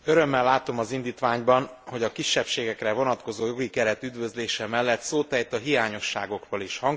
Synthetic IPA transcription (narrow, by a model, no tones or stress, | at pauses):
øɾø̞mːɛlːaːt̪o̞mɒzind̪iːt̪ʋaːɲbɒnho̞ɟɒkiʃːɛpʃeːɡɛkrɛvo̞nɒt̪ko̞zoːjo̞ɡikɛɾɛt̪yd̪vø̞zleːʃɛmɛlːɛt̪soːt̪ɛjt̪ɒɦijaːɲo̞ʃːa̰ːɡo̞kroliʃhɒŋ